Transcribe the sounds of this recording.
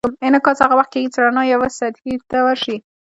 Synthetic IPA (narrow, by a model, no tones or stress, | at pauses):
menakɑt͡shaɣawaχt̪̚keɡit͡sɾanɑjawasad̪hit̪awaʃi